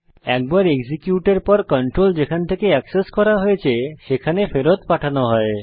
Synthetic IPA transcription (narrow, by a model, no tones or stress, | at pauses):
ɛk̚baɾeksikjuʈeɾpɔɾkɔɳʈɾold͡ʑekʰant̪ʰekeɛkseskɔɾaɦojet͡ɕʰeʃekʰanefeɾot̪paʈʰanoɦɔe